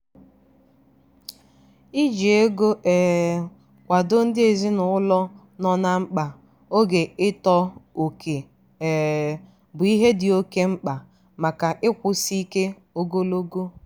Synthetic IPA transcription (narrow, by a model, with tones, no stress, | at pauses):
i˦d͡ʒe˨e˦ɡo˦ʔɛː˨ | kʷa˨do˦n̩˦dɪ˦e˨zi˦nʊ˨ʊ˦lɔ˦ | nɔ˨na˦ŋ͡m̩˦k͡pa˨ | o˦ɡe˨ɪ˦tɔ˦o˨ke˨ | bʊ˨i˦ɦe˦dɪ˨o˦ke˦ŋ͡m̩˦k͡pa˨ | ma˨ka˨ʔɪ˦kʷʊ˨si˦ke˦ | o˦ɡo˦lo˦ɡo˦